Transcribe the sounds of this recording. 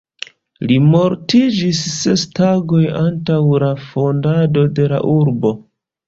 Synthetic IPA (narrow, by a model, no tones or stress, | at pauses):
limo̞ɾtid͡ʒisːe̞staɡo̞jantawlafo̞ndado̞de̞la̰ʔuɾbo̞